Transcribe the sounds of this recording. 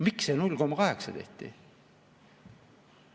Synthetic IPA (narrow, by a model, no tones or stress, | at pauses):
miksenulːkomkɑɦeksɑt̪e̞ht̪ḭ